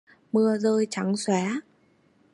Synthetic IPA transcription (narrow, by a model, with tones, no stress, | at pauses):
mɨ˧əzəː˧jt͡ɕa˨˦ŋswɛ˨˦